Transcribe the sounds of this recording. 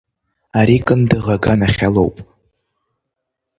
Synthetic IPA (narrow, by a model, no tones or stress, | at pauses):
aɾikʼɨndɨʁaɡanaχʲalo̰wpʼ